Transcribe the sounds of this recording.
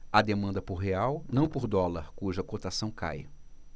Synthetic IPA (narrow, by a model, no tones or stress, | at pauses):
ɐd̪emɐ̃nd̪ɐpʊɾɦeawnɐ̃w̃poɾd̪ɔlɐɾkuʒɐkot̪asɐ̃w̃ka̰j